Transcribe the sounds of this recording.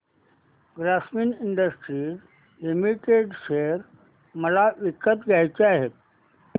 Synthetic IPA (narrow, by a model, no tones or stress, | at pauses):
ɡɾasminɪɳɖəsʈɾi | limiʈeɖʃeɾ | məlaʋikət̪ɡajt͡ʃeaɦe